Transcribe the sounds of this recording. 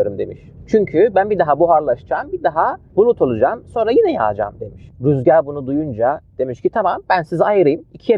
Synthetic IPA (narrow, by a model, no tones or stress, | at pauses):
oɾumd̪e̞̰miʃt͡ʃʰyɲcʰybænbid̪aɦabuɦaɾlˠaʃd͡ʒambid̪aɦabulˠut̪ʰo̞lˠud͡ʒamso̞nɾajinɛja̰ːd͡ʒa̰ːmd̪e̞miʃɾyzɟæɾbunud̪ujund͡ʒad̪̥e̞miʃcit̪ʰamambænsizajɯɾɯjɯmicʰije